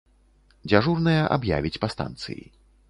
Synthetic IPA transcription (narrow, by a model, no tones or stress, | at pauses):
d͡zʲaʐurnɨjɐʔa̰bja̰vʲit͡sʲpɐst̪a̰nt̪sɨ̰jḭ